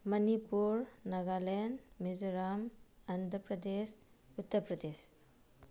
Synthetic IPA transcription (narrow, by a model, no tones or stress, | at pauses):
mɐnipuɾnɐɡalenmizɔɾamand̪ɾəpɾɐdes | ut̪ːəɾpɾɐdes